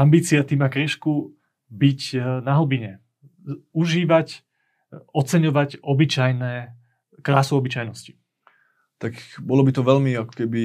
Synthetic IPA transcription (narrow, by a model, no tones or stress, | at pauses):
ambiːt͡siat̪imakɾiʃku | bicnaɦl̩ɔbiɲɛ | uʒiːʋac | ɔt͡sɛɲɔʋacɔbit͡ʃajnɛː | kɾaːsuɔbit͡ʃajnɔsci̥ | t̪akbɔlɔbit̪ɔʋɛʎmiakɔ̥kɛbi